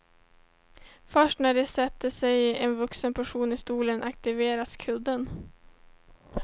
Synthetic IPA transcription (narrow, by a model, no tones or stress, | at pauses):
fœʂʈnæɖɛsɛt̪ːəsɛjɛnvɵksənpʰæʂuːnɪst̪uːlənʔak̚t̪ɪveːɾaskʰɵd̪ːən